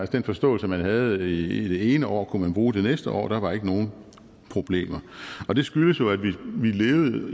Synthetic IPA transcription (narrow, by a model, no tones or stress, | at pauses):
ælsəd̥enfɒ̽sd̥ɔ̰̽ːl̩səmænɦæð̞̩ˠid̥e̝e̝ːnəʔɒ̰ːkʰumænb̥ʁuːd̥e̝nesd̥əʔɒ̰ːd̥ɑ̈ʋɑ̈e̝ɡ̥əno̝ːn̩ | pʰʁo̝b̥le̝̰ːmɐɒ̽d̥e̝sɡ̥yləsjo̝æ̥ʋiʋile̝ːʊð̩ˠ